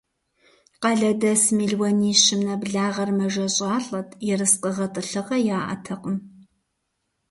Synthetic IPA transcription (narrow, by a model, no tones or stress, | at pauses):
qɐɮɐdɐsmiɮwɐniːɕɪmnɐbɮaːʁɐrmɐʒɐɕʼaːɬʼɐtʰʼjɛrɨsqʼəʁɐtʼɨɬɨʁɐjaːʔɐ̰tʰɐqʼəm